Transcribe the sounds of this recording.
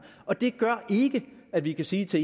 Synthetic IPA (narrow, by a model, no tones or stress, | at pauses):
ɒ̽d̥e̝ɡ̥ɶɐ̰ʔe̝ɡ̥əæd̥ʋikʰæsiːt͡sʰe̝